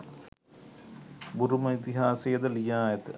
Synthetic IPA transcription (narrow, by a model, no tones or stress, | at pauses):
buɾumɐit̪iɦaːsejɐd̪ɐlijaːjɐt̪